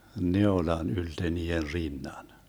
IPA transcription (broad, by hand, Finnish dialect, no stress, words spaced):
neolɑn ylte niːer rinːɑn